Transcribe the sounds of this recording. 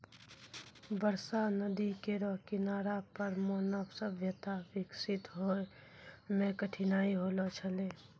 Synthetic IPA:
bəɾsanəd̪ikeɾoɦkɪnaːɾapəɾmonəbsəbʱjət̪aʋɪksɪt̪ɦoe | mẽkəʈʰinaːiɦolot͡ʃʰəleː

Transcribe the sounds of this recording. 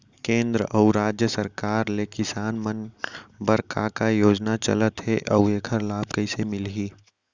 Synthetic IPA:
kẽːnd̪ɾəʔəuɾaːd͡ʒjəsəɾkaːɾlekɪsaːnmənbəɾkakajoːd͡ʒnat͡ʃɐ̰lət̪ɦɛʔɐweːkʰəɾlaːb̚kəɪsemɪlɦiː

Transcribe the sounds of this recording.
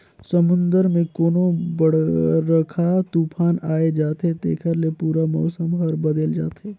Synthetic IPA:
sɐmʊ̃nd̪əɾmẽkoːnõbɐɽɾɐkʰat̪uːpʰaːnaːed͡ʒaːt̪ɦet̪eːkʰəɾlepuːɾamɔːsəmɦɔɾbɐd̪əld͡ʒa̰ːt̪eː

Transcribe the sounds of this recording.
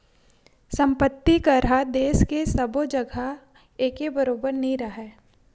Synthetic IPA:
sɐ̃mpət̪ːikɐɾad̪eːskesɐbod͡ʒɐɡʱa | eːkebɐɾoːbəɾnɐĩɾɐɦɛː

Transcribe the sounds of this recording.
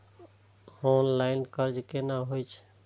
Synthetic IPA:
honlaɪnkəɾd͡ʒkenaɦojt͡ʃʰ

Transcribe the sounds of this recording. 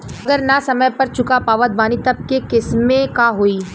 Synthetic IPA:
ɐɡəɾnasɐməjpɐɾt͡ʃʊkapaːʋəd̪̚baːnit̪ɐb̚kekɪsmekaɦoiː

